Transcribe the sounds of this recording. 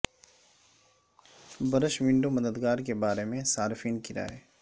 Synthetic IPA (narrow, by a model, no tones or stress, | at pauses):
bɐɾəʃʋɪ̃ɳɖomɐd̪əd̪ɡaːɾkebaːɾemẽsaːɾfiːnkɪɾa̰ːeː